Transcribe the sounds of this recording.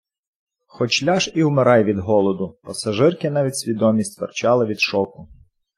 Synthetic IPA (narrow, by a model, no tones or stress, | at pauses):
xɔt͡ʃlʲɑʃiwmeɾɑjʋʲid̪ɦɔlˠɔd̪ʊpɐsɐʒɪrkɪn̪ɑʋʲitʲsʲʋʲid̪ɔmʲisʲt̪ʲʋert͡ʃɑlˠɪʋʲid̪ʃɔkʊ